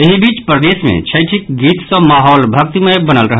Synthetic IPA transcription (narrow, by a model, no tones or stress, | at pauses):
eɦibit͡ʃpɾəd̪esmḛt͡ʃʰəjʈʰikɡit̪sə̃maɦɔlbʱək̚t̪imebənəlɾəɦə